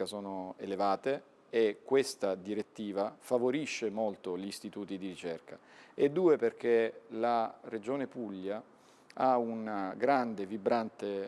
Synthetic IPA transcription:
asoːnoḛlevaːt̪eː | kːwest̪ad̪iɾet̪ːiːvafavoɾiʃːemolt̪oʎist̪it̪uːt̪id̪iɾit͡ʃɛrka | ed̪ːuːeperk̟elared͡ʒoːnepuʎːa | aunaɡɾand̪evibɾant̪e

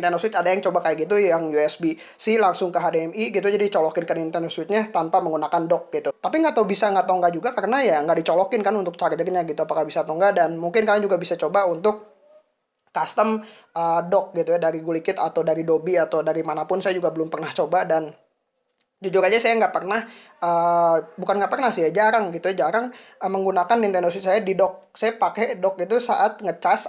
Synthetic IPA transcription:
nt̪ɛnɔswɪt̪adajaŋt͡ʃobakajaɡit̪̬ujjaŋjuɛsbi | sɪhlaŋsʊŋkəɦadeɛmiɡit̪ud͡ʒadit͡ʃɔlɔkɪnkənint̪ɛnɔswɪt̪̚ɲat̪ampaməŋɡunakandɔk̚ɡit̪ut̪apiŋɡat̪awbisaŋɡaʔt̪ɔŋɡad͡ʒuɡakaɾənajaŋɡaʔdit͡ʃɔlɔkɪnkanunt̪ʊk̚t͡ʃaɾd͡ʒərɲaɡit̪uapakahbisat̪ɔŋɡadanmuŋkɪnkaaŋd͡ʒuɡabisat͡ʃobaunt̪ʊk̚ː | ast̪əm | ʔədɔk̚ɡit̪ujadaɾiɡulikɪt̪at̪awdaɾidobiat̪awdaɾimanapʊnsajad͡ʒuɡabəlʊmpərnaht͡ʃobadan | d͡ʒud͡ʒʊɾad͡ʒasajaŋɡaʔpərnah | ʔəbukanɡaʔpərnahsɪhjad͡ʒaɾaŋɡit̪ujad͡ʒaɾaŋəməŋɡunakanːint̪ɛnos̬ɪsajadidɔk̚sajapakɛdɔk̚it̪usa̰ʔat̪̚ŋət͡ʃas

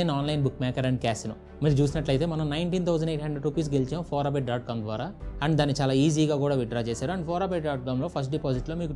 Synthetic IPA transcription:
enaːnlɐjnbukːmɛːkɐɾɐɳɖ̚ikaːsinɐ̰ | miːɾut͡ʃuːs̬inɐʈlɐjt̪e̞ːmɐnɐmnɐjɳʈiːnt̪ʰɐwd͡ʒɐɳɖeːʈɦɐɳɖɾeɖʈːupiːs̬ɡelit͡ʃaːmpʰɔːɾaːp̬eʈ̚ɖaːʈ̚kaːmd̪ʋaːɾaːɐɳɖd̪aːnːit͡ʃaːlaːiːziːɡaːkuːɽaːʋiɖɾaːt͡ʃɛːsaːɾuɐɳɖipʰɔːɾaːpeʈɖaːʈ̚kaːmlo̞ːpʰɐsʈ̚ɖipoːsiʈlo̞ːmiːku

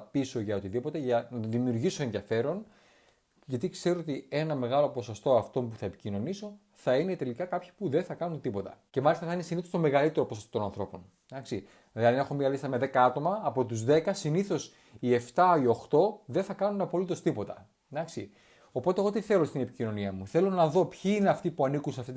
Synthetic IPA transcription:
piso̞ʝɐot̪iðipo̞t̪e̞ʝɐnɐt̪oðimiuɾʝiso̞enðijɐfe̞ɾo̞n | ʝɐt̪ikseɾoot̪ie̞nɐme̞ɣɐlo̞po̞so̞st̪o̞ɐft̪o̞mpuθɐepi̥cino̞niso̞ | θɐine̞t̪e̞likɐkɐpçi̥puðenθɐkɐnunt̪ipo̞t̪ɐ̰ce̞mɐlist̪ɐθɐine̞siniθost̪o̞me̞ɣɐlit̪e̞ɾo̞posost̪otonɐnθɾo̞po̞n | nɐksi | ɐðene̞xo̞miɐlist̪ɐmeðe̞kɐɐt̪o̞mɐːpo̞t̪uzðe̞kɐsiniθo̞s | ie̞ft̪ɐio̞xt̪o̞ðenθɐkɐnunɐpolit̪o̞st̪ipo̞t̪ɐ | ɐksi | o̞po̞t̪eɣo̞t̪iθe̞lost̪inepicino̞niɐmuθe̞lo̞nɐðo̞pçiineɐft̪ipuɐnikunsɐft̪it̪

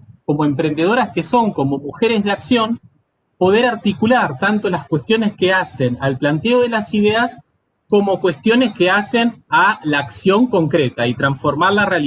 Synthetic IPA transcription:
ko̞mo̞e̞mpɾe̞nd̪e̞ð̞o̞ɾaskeso̞ŋko̞mo̞muxe̞ɾe̞zðeaksjo̞n | po̞ðe̞ɾaɾt̪ikulaɾt̪ant̪o̞laskwe̞st̪jone̞ske̞ase̞nalplant̪eoð̞e̞lasiðe̞as | ko̞mo̞kwe̞st̪jo̞ne̞ske̞ase̞nalaːksjo̞ŋko̞ŋkɾet̪ait̪ɾansfo̞ɾmaɾlareal

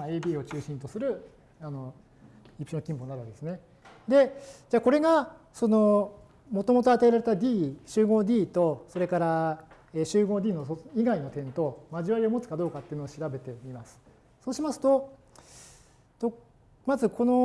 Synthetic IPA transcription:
aeːbʲiːo̞t͡ɕɨːɕĩnt̪o̞sɨɾɯ̟ | ano̞ | ipiɕonkʲĩmponːaɾad̪esɨne̞ | d̪e̞d͡ʑaːko̞ɾe̞ɡa | so̞no̞ | mo̞t̪o̞mo̞t̪o̞at̪aeɾaɾe̞t̪ad̪ʲiːɕɨːɡo̞ːd̪ʲiːt̪o̞so̞ɾe̞kaɾa | eːɕɨːɡo̞ːdʲiːnoiɡaino̞t̪ẽ̞nt̪o̞maʑiβaɾio̞mo̞t͡sɨ̥kad̪o̞ːkat̪ːeiɯnoːɕiɾabe̞t̪e̞mʲimasɨ̥ | so̞ːɕimasɨ̥t̪o̞ | t̪o | mazɨkʰo̞no̞

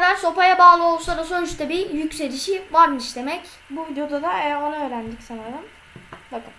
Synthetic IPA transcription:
ɾaɾso̞pajabaːlˠɯo̞lˠsad̪asønt͡ʃt̪ʰɛbijycse̞ɾiʃivaɾmɯʃd̪e̞mɛc | buvid̪ejo̞d̪ad̪aejæɾo̞naøːɾænd̪icsanaɾɯm | b̪akʰɯm

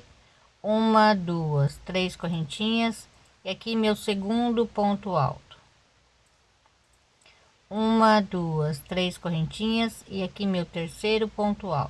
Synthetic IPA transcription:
ũmɐd̪uɐst̪ɾejskoɦẽnt͡ʃĩɲɐs | ɪakimewseɡũnd̪ʊpõnt̪ʊa̰wt̪ʊ̥ | ũmɐd̪uɐst̪ɾeskoɦẽnt͡ʃĩɲɐzɪakimewt̪eɾsejɾʊpõnt̪ʊa̰wt̪

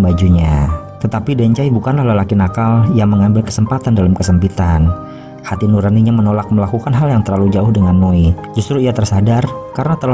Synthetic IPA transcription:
bad͡ʒuɲa | t̪ət̪apidaɲt͡ʃaibukanlahlalakɪnakaljaŋməŋambɪlkə̥səmpat̪andalamkəsəmpit̪an | hat̪inuɾaniɲamənolak̚məlakukanɦaljaŋt̪əɾlalud͡ʒaʊhdəŋanːoid͡ʒust̪ɾuiat̪ərsadarkaɾənat̪əl

